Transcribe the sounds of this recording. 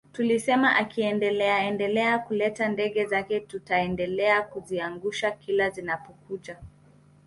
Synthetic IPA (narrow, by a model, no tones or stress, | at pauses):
tulisɛmaʔakiɛndɛlɛaɛndɛlɛakulɛtandɛɠɛzakɛtutaɛndɛlɛakuziaŋɡuʃakilazinapɔkut͡ʃa